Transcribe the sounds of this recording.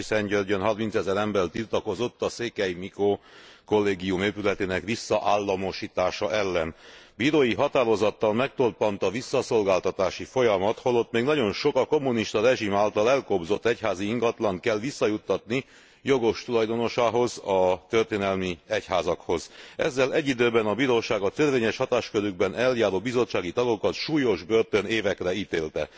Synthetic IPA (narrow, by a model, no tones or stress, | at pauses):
isɛɲɟørɟønɦɒrmint̪sɛzɛɾɛmbɛrt̪irt̪ɒko̞zo̞t̪ːɒseːkɛjmikoːko̞lːeːɡijumeːpylɛt̪eːnɛkʋisːɒʔaːlːɒmo̞ʃiːt̪aːʃɒʔɛlːɛnbiːɾoːjiɦɒt̪aːɾo̞zɒt̪ːɒlmɛk̚t̪orpɒnt̪ɒvisːɒso̞lɡaːlt̪ɒt̪aːʃifo̞jɒmɒt̪holo̞t̪ːmeːɡnɒɟo̞nʃo̞kɒko̞mːuniʃt̪ɒɾɛʒimaːlt̪ɒlɛlkobzo̞t̪ːɛchaːziiŋɡɒt̪lɒnt̪kɛlːʋisːɒjut̪ːɒt̪ni | jo̞ɡo̞ʃt̪ulɒjd̪o̞no̞ʃaːɦo̞zɒt̪ørt̪eːnɛlmiɛchaːzɒkho̞zɛ̰zːɛlɛɟːid̪øːbɛnɒbiːɾoːʃaːɡɒt̪ørveːɲɛʃhɒt̪aːʃkøɾyɡ̚bɛnɛljaːɾoːbizo̞t͡ʃːaːɡit̪ɒɡo̞kɒt̪ʃuːjo̞ʒbørt̪ø̞neːvɛkrɛiːt̪eːlt̪ɛ̰